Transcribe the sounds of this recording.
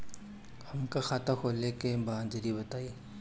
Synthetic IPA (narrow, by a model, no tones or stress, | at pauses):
hɐmkaxaːt̪ʰakʰoːlekebãːnd͡ʒəɾibɐt̪aːiː